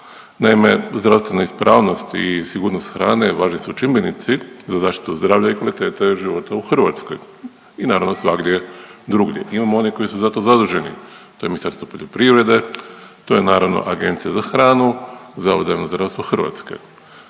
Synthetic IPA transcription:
najime̞zd̪ɾaʋst̪ʋe̞naispɾaːʋno̞st̪isiɡuːɾnost̪xɾaːne̞ʋaːʒnisut͡ʃimbenit̪sizazaːʃt̪i̥t̪uzd̪ɾaːʋʎaikʋalit̪e̞ːt̪eʒiʋo̞t̪auxr̩ʋa̰t̪skoj | inaːɾaʋno̞sʋaɡd̪jed̪ɾuɡʎjḛʔimamoo̞niko̞isuzat̪o̞zad̪uʒe̞nḭt̪o̞jeminisaɾst̪ʋo̞poʎʲo̞pɾiʋɾe̞d̪et̪o̞je̞naːɾaʋno̰ʔaɡe̞nt̪sijazaxɾaːnuzaozaenozd̪ɾaʋst̪ʋoxr̩ʋa̰t̪ske̞̰

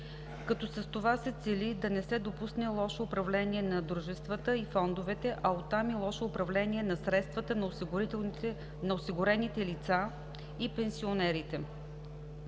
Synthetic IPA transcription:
kɐt̪ɔsɐst̪ovasɛt̪sɛlid̪ɐnɛsɛd̪opusnɛlˠɔʃɛʊpɾɐvlɛniɛnɐd̪ɾuʒɛst̪vət̪əifɔnd̪ovɛt̪ɛʔɐot̪ːamilˠɔʃɛʊpɾɐvlɛniɛnɐsɾɛt̪st̪vət̪ət̪ɛ | nɐosiɡʊɾɛnit̪ɛlit̪sa | ipɛnsionɛɾit̪ɛ

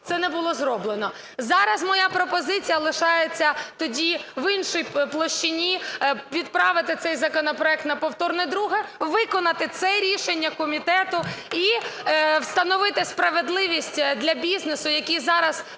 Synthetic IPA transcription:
t̪sɛnɛbʊlˠɔzɾɔblˠenɔ | zɑɾɐzmɔjapɾɔpɔzɪt͡sʲijɐlˠɪʃɑjet͡sʲːɐt̪ɔdʲiʋɪnʃɔjplˠɔʃt͡ʃɪnʲiʋʲid̪̚pɾɑʋɪt̪ɪt̪sɛjzɐkɔnɔpɾɔɛk̚t̪nɐpɔwt̪ɔrnɪjd̪ɾuɦɪʋɪkɔnɐt̪ɪt̪sɛɾʲiʃenʲːɐkɔmʲit̪ɛt̪ʊi | wst̪ɐnɔʋɪt̪ɪspɾɐʋed̪lˠɪʋʲisʲtʲd̪lʲɐbʲiznesʊjɐkʲizɑɾɐz

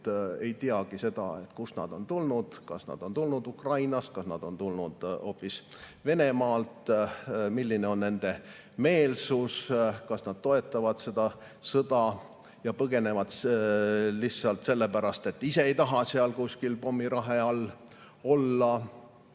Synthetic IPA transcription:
e̞jt̪iɑɡ̥ise̞d̪̥ɑ̰e̞t̪kusnɑ̰d̪̥o̞nt̪ulnud̪̥kɑ̰snɑ̰d̪̥o̞nt̪ulnud̪ukrɑjnɑskɑsnɑ̰d̪̥o̞nt̪ulnud̪̥o̞̰ːpːis | ve̞ne̞mɑːlt̪ | milːine̞o̞nne̞nd̪̥e̞ | me̞ːlsuskɑsnɑd̪̥̚t̪o̞e̞t̪ːˑɑvɑd̪̥se̞d̪ɑ | sɤd̪̥ɑ | jɑpɤɡe̞ne̞vɑd̪s | lisɑlt̪se̞lːe̞pæɾɑst̪e̞t̪ːˑise̞ejt̪ɑɦɑseɑlkusʲkilpo̞mːiɾɑɦeɑl | o̞lːɑ

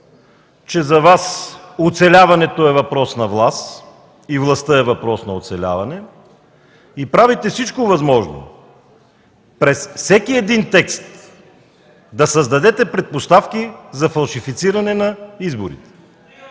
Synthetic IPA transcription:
t͡ʃɛzɐvasot̪sɛlʲavɐnɛt̪oɛvɐpɾɔsnɐvlˠast̪ | ivlˠɐst̪əɛvɐpɾɔsnɐot̪sɛlʲa̰vɐnɛ | ipɾavit̪ɛfsit͡ʃkovɐzmɔʒno̰ | pɾɛsfsɛkiɛd̪int̪ɛkst̪ | d̪ɐsɐzd̪ɐd̪ɛt̪ɛpɾɛt̪̚post̪afkizɐfɐlˠʃifit̪siɾɐnɛnɐizboɾḭt̪ɛ̥

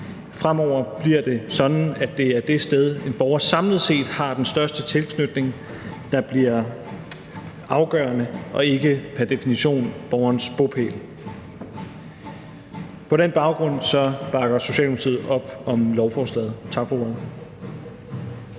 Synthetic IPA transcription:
fʁam̰ɒʊ̰ɐb̥liɐ̰d̥e̝sɒ̽dn̩æd̥e̝æɐd̥e̝sd̥eð̞ˠe̝nb̥ɒʊɐsɑ̈mləð̩ˠse̝̰ːd̥hɑ̈d̥ensd̥ɶɐsd̥ət͡sʰe̝lkʰnød̥ne̝ŋ | d̥ɑ̈b̥liɐ | ɑ̈ʊɡ̥ɶ̰ːɐnəʔɒ̽e̝ɡ̥əpʰæɐd̥e̝finiɕo̝̰ːnb̥ɒʊɐnsb̥opʰḛːl | pʰɒ̽ɾ̥enb̥ɑ̈ʊɡ̥ʁɔ̽n̰sɒ̽b̥ɑ̈ɡ̥ɐso̝ɕɛ̰ːldopʰt͡sʰið̰̩ˠɒ̽b̥ɒ̽mlɒʊfɒːslɛ̰ːð̞̩ˠt͡sʰɑ̈ɡ̥foɐð̩ˠ

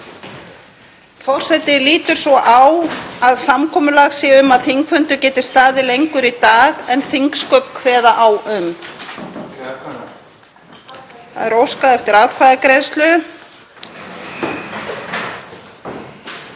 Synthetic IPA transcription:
fɔr̥sɛt̪ɪliːt̪ʏɾ̥svɔʔawaðsamkʰɔːmʏlaɣsɛːʏmaðθiŋkfʏnt̪ʏcɛːt̪ɪ̥st̪aːðɪlejŋkʏɾit̪aːɣɛnθiŋkskœɥp̪kʰvɛːðaʔawʏm | θa̰ðɛɾowskaðɛft̪ɪɾaːwkʰvajðɪkɾejðst̪lʏ

